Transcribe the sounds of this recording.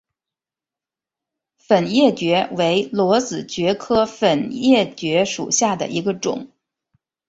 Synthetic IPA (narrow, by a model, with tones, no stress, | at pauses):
fə˨˩njɛ˥˩t͡ɕɥɛ˧˥we˧˥ɪlwɔ˧˥t͡sɹ̩˨˩t͡ɕɥɛ˧˥kʰɤ˥fə˨˩njɛ˥˩t͡ɕɥɛ˧˥ʂṵ˨˩ɕja˥˩d̪ə̰˩ʔi˧˥ɡə˧ʈ͡ʂʊ̰˨˩˦ŋ